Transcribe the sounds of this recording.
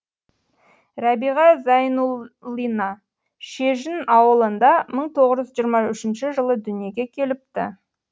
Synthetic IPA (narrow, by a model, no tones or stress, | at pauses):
ɾɑbiʁɑzɑjnulinɑ | ʃeʒɪnɑwəlˠənd̪ɑməɴt̪ʰo̞ʁəʒʏzʒijəɾmɑʏʃɪnʃɪʒəlˠəd̪ʏnije̞ɡʲe̞kʲʰe̞lɪp̚t̪ɪ̰